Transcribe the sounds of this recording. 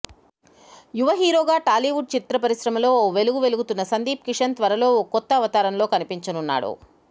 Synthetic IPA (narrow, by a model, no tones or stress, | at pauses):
juʋɐɦiːɾoːɡaːʈaːliʋuɖ̚t͡ʃit̪ɾɐpɐɾisɾɐmɐlo̞ːoːʋe̞luɡuʋe̞luɡut̪unːɐsɐnd̪iːpkiʂɐnt̪ʋɐɾɐlo̞ːokɔt̪ːɐːʋɐt̪aːɾɐnlo̞ːkɐnipiɲt͡ʃɐnunːa̰ːɽṵ